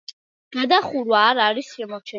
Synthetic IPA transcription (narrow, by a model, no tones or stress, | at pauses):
ɡ̥ad̪aχuɾwaːɾaɾisʃɛmɔɾt͡ʃʰɛ